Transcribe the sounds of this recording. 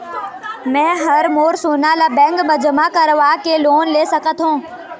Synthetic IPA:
mɛ̃ːɦəɾmoːɾsʊːnalabɛ̃ːŋɡbəd͡ʒəmakəɾʋakeloːnleːsəkət̪ɦõː

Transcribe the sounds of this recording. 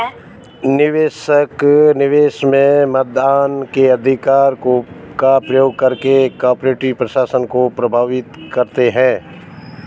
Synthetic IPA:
nɪʋeːʃəknɪʋeːʃmẽmɐt̪̚d̪aːnkeɐd̪ʱɪkaːɾkokapɾɐjoːɡ̚kɐɾkekaːɾpɾeːʈipɾɐʃaːsənkopɾɐbʱaːʋɪt̪kɐɾt̪eɦɛ̃ː

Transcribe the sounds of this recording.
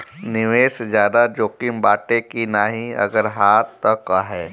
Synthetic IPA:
nɪʋeːsezjaːd̪ad͡ʒoːkɪmbaːʈekinaːɦĩɐ̰ɡəɾɦaːt̪ːakaɦɛː

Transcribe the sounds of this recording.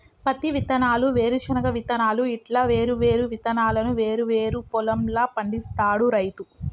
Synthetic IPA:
pɐt̪iʋit̪ɐnaːluʋe̞ːɾuʃɐnɐkɐʋit̪ɐnaːluiʈlaːʋe̞ːɾuʋe̞ːɾuʋit̪ɐnaːlɐnuʋe̞ːɾuʋeːɾupɔlɐmlaːpɐɳɖist̪aːɽuɾɐjt̪u

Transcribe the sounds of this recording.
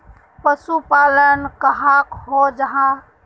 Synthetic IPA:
pəsupalənkəɦakɦod͡ʒəɦã

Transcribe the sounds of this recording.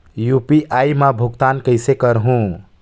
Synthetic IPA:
jupiʔajmabʱuɡt̪ankəjsekəɾɦũ

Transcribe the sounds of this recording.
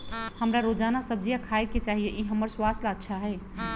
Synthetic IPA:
həmɾaɾod͡ʒanasəb̚d͡ʒijakʰaeket͡ʃaːɦijeʔiɦəməɾswast̪aətːʃʰaɦɛː

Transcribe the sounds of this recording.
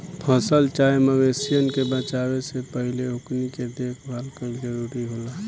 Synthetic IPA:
pʰəsəlt͡ʃaːjeməwesijənkebət͡ʃaːwesepəɦɪleɦʊkniked̪eːkʰbʱalkəd͡ʒəɾuːɾiɦoːlaː

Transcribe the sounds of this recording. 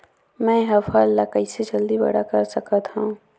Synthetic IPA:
mɛ̃ːɦɐfaːlːakɐised͡ʒɐld̪ibɐ̰ɽakɐɾsɐkat̪hã

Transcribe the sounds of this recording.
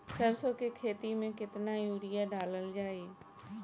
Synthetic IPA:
səɾsokekʰeːt̪imẽkɪt̪najuːɾɪjaɖaːləld͡ʒaːeː

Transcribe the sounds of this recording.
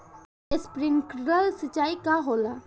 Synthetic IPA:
espɾɪŋkɾɾəlsət͡ʃːaːikaɦoːla

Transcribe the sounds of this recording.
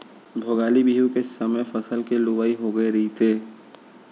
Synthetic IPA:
bʱoːɡaːlibiːjũkesɐməjfɐsəlkelʊwaːiɦoɡɐeɾɐɦit̪ʰeː

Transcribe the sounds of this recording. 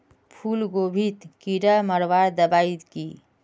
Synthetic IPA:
pʰulɡobʱit̪kiɾəməɾʋaɾd̪əbait̪ki

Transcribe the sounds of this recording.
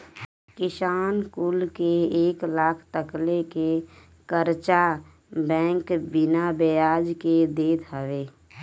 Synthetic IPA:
kɪsaːnkʊlkeeːklaːkʰt̪əkleke | kəɾt͡ʃa | bɛ̃ːŋkbɪnabejaːd͡ʒked̪eːt̪ʰəʋeː

